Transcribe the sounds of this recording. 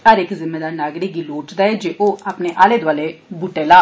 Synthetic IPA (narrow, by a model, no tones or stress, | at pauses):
əɾɪkzɪmeːd̪aːɾnaːɡɾikiːloːʈd̪aːɛːd͡ʒeːʔoːapneːʔaːleːd̪ʊaːlebʊʈeːlaː